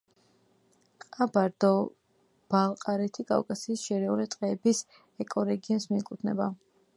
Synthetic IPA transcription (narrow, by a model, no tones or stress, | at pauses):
qʼabaɾd̪ɔ | b̥alˠqʼaɾɛt̪ʰikʼa̰vkʼasiːsʃɛɾɛuɾɛt̪ʼqʼɛːbis | ɛkʼɔɾɛɡiɔnsmiɛkʼut̪ʰnɛ̰ba